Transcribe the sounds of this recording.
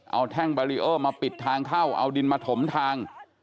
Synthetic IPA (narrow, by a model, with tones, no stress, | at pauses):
ʔa̰˧wt̪ʰɛ˥˩ŋbaː˧ɾi˦˥ʔɤː˥˩maː˧pi˨˩t̪ʰːaː˧ŋkʰaː˥˩wʔa̰˧wdi˧nmaː˧t̪ʰo˩˦mt̪ʰaː˧ŋ